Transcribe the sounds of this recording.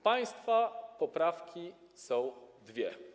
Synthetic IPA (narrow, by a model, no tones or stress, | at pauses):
paj̃st̪fapɔpɾafkʲi | sɔ̃w̃d̪vʲjɛ